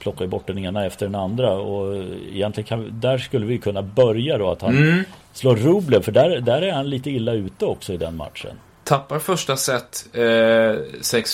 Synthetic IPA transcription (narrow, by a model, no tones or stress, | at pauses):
pʰlɔkːaəbɔʈːɖɛneːnaɛft̪əɖɛnand̪ɾaɔɪ̰jɛnt̪lɪɡənkʰand̪æɾʂkɵlːəvɪjɵkʰɵnːabœɾjad̪ɔa̰t̪han | sloːɾɵːblənfœɖæɾd̪æɾæɾhanliːt̪əɪlːaʉ̟ːt̪əɔksɔɪd̪ɛnma̰t̪ʂə̰n | t̪ʰapːaɾfœʂʈasɛt̪ː | sɛks